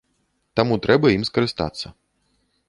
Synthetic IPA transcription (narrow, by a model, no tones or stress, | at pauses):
t̪amut̪ɾʔɛbɐjimskɐɾɨst̪a̰t̪sːɐ